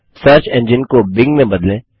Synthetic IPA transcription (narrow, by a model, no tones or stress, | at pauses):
səɾt͡ʃɛ̃nd͡ʒɪnkobɪ̃ŋɡmẽbɐd̪lẽː